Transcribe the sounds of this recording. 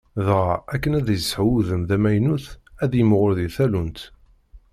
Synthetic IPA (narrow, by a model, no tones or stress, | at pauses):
ðʁaækːənæðjəsħwuðəmðæmæjnuθæðjəmʁʊɾðiθælunt̪